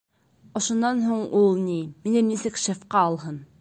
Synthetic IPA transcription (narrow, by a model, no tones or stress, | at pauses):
ŏʃŏnːɑnɦuɴulˠniminɘnisɘkʃefqɑɒlˠɦɤn